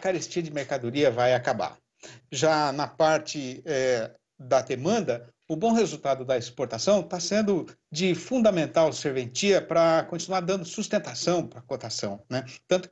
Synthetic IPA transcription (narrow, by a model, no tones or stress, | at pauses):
kaɾest͡ʃiɐd͡ʒɪmeɾkad̪oɾiɐvajakaba̰ɾ | ʒanɐpaɾt͡ʃɪɛ | d̪ɐd̪emɐ̃nd̪ɐ | ʊbõw̃hezut̪ad̪ʊd̪ɐispoɾt̪asɐ̃w̃t̪asẽnd̪ʊ | d͡ʒɪfũd̪ɐmẽnt̪awseɾvẽnt͡ʃiɐpɾɐkõnt͡ʃinuaɾd̪ɐ̃nd̪ʊsust̪ẽnt̪asɐ̃w̃pɾɐkot̪asɐ̃w̃nɛt̪ɐ̃nt̪ʊ